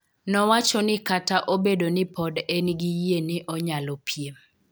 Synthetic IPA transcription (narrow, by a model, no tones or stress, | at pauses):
nɔwat͡ʃɔnɪkataʔobedonɪpɔdenɡijenɪʔɔɲalɔpʰjem